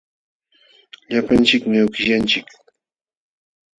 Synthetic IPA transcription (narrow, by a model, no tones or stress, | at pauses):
ʎapant͡ʃɪkmɪʊkɪʎant͡ʃɪk